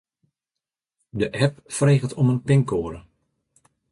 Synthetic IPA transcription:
dəʔɛpfreːɣəlˠtɔmənpɪŋkoːəɾə

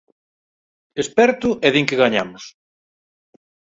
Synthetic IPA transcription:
espɛɾt̪ʊʔɛðiŋkɪɣaɲamʊs

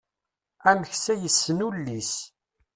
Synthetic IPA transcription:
æmçsæjəsːənulːis

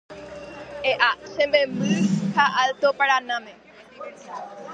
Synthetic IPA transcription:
eʔasẽmbemɨ̃haʔalt̪opaɾanãmẽ

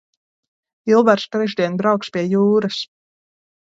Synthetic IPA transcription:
ilˠvæɾst̪ɾɛʒd̪ʲiɛnbɾawkspʲiɛjuːɾas

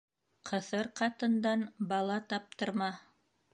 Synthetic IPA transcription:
qʰɤ̆θɤɾqɑt̪ɤ̆nd̪ɑnbɑlˠɑt̪ɑp̚t̪ɤ̆ɾmɑ

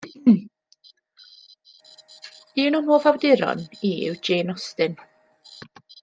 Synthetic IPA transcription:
ɨːnunhoːvawdɪɾɔ̰niwd͡ʒeːnɔstɨn

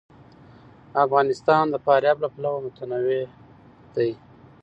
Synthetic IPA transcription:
afɣɑnɪst̪ɑnd̪əpɑɾjɑblaplawamʊt̪anawe | d̪̥aj

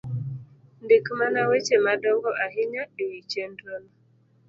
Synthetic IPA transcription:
ndikmanawɛt͡ʃɛmadɔŋɡɔʔaɦiɲaɗiwit͡ʃɛndɔna

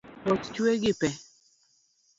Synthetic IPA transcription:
ɔtt͡ʃweɡɪpɛ

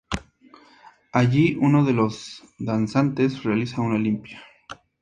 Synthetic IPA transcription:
aʝiʔuno̞ðe̞lo̞z | d̪ansant̪e̞srealisaunalimpja

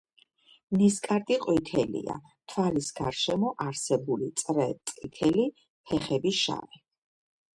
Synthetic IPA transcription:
niskʼaɾt̪ʼiqʼwit̪ʰɛlḭa̰ | t̪ʰwalisɡaɾʃɛmɔʔaɾsɛbulit̪sʼɾɛt̪ʼqʼit̪ʰɛli | pʰɛχɛbisʃa̰ɾɛ

